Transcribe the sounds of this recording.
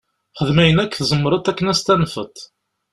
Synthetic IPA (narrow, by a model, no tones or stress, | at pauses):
χəðmæjənækːθzˤəmːəɾˤɑt̪ˤːækːənæst̪ænfə̰t̪ˤ